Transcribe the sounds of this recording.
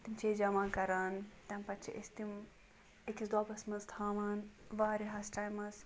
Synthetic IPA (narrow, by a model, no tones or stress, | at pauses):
t̪imt͡ʃʰed͡ʒɐmakɐɾaːnt̪ɐmpɐtt͡ʃʰḭʔest̪im | ekisd̪aːpɐsmɐzt̪ʰaːʋaːnʋaːɾiɦɐsʈaːjmɐs